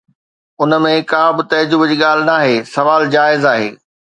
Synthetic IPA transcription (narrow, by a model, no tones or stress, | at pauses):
ʊnə̆mẽkãːbɪt̪ɐd͡ʑʊbd͡ʑiːɠaːl̤ɪnaːɦeːsɐʋaːld͡ʑaːɪzaːɦḛː